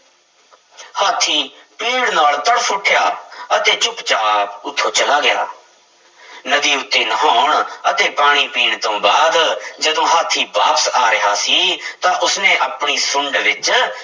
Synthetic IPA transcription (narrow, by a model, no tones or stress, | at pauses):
haːt̪ʰːiːpiːɽnaːlt̪əɽsʊʈʰːjaːət̪eːt͡ʃʊpt͡ʃaːpʊt̪ʰːoːt͡ʃəlaːɡɪja̰ː | nəd̪iːʊt̪ʰːeːnəɦaːɳət̪eːpaːɽ̃iːpiːɽt̪õːbaːd̪d͡ʒəd̪õːɦaːt̪ʰiːbaːpəsaːɾɪɦaːsiːt̪ãːʔʊsneːʔəpɳiːsʊ̃ɳɖʋɪt͡ʃ